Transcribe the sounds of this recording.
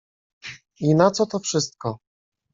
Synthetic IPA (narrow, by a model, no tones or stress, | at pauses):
inat̪sɔt̪ɔfʂɘst̪̚kɔ